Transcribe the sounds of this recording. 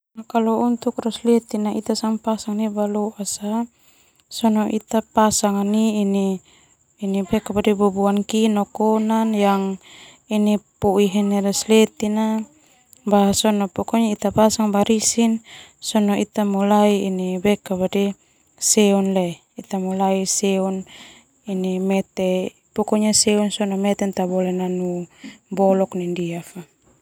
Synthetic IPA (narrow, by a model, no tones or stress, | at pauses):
nakalɔunt̪ukrɔslɛt̪inait̪asaŋpasaŋnibalɔʔasa | sɔnɔʔit̪apasaŋaniːniː | nibɛkabadibubuankinɔkɔnanjaŋ | inipɔiɦɛnɛɾɛslɛt̪ina | basɔnɔpɔkɔɲait̪apasaŋbaɾisinsɔnɔit̪amulaiinibɛkabadi | sɛɔnlɛ | it̪amulaisɛɔn | inimɛt̪ɛ | pɔkɔɲasɛɔnsɔnɔmɛt̪ɛnt̪abɔlɛnanubɔlɔknindiafa